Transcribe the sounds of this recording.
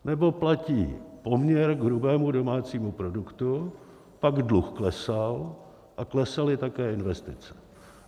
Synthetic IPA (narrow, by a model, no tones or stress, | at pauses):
nɛbo̞placiːpo̞mɲɛɾɡɦɾubɛːmudo̞maːt͡siːmupɾo̞dukt̪u | paɡdluxklɛsal | ʔaklɛsalɪt̪akɛːɪnvɛst̪ɪt͡sɛ̥